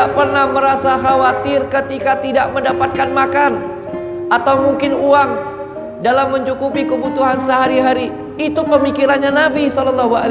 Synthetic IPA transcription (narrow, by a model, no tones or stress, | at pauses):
aʔpərnahməɾasaɦawat̪ɪrkət̪ikat̪idaʔməndapat̪̚kanmakan | ʔat̪awmuŋkɪnuaŋ | dalamːəɲt͡ʃukupikəbut̪uɦansəɦaɾiɦaɾi | it̪upəmikiɾanɲanabisɔlɔlːɔɦua̰l